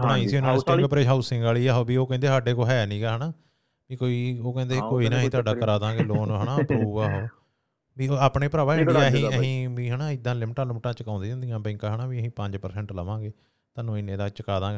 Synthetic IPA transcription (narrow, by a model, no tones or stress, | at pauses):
bənaːiːsiːonaːst̪ẽkpɾeːd͡ʒɦaːʊsɪ̃ŋɡaːliːaːɦoːbiːoːkɛ̃ːnd̪eːsaːɖeːkoːɦɛːnĩːɡaːɦənaː | biːkoːiːoːkɛ̃ːnd̪eːkoːiːnaːɦĩːt̪ʰʊaːɖaːkəɾaːd̪ãːɡeːloːnɦəɳaːpuaːɦoː | biːoaːpɳeːpɾaːbaːɪɳiaːəɦĩəɦĩːʋiːɦənaːɪd̪ːãːlɪmʈãːlɪmʈãːt͡ʃəkãːnd̪ːd͡ʒãːnd̪iːjãːbɛ̃ːŋkaːɦəɳaːʋiːəɦĩːpəɲd͡ʒpəɾsɛ̃ːɳʈləʋãːɡeː | t̪aːnũːɪnːẽːd̪aːt͡ʃəkaːd̪ãːɡ